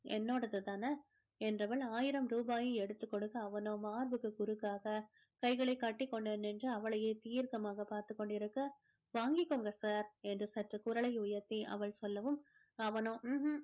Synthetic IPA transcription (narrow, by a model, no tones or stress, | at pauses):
ɛ̰nːoːɽɐðɯt̪aːnɐ | ɛndrɐʋɐɭaːjɪɾɐmɾuːbaːjɯ̃ɛɽɯt̪ːɯkːɔɽɯkːɐːʋɐnomaːɾʋɯkːɯkʊɾɯkːaːɣɐ | kɐɪɣɐɭɐɪkːaːʈːɪkːɔɳɖenːɛndrɯɐʋɐɭɐjeːt̪iːɾkɐmaːɣɐpaːɾt̪ɯkːɔɳɖɪɾɯkːɐ | ʋaːŋɡɪkːoːŋɡɐsaːɾɛndrɯsɐʈrɐkʊɾɐɭɐɪʊjɐɾt̪ːiʔɐ̰ʋɐɭsɔlːɐʋɯm | ɐʋɐno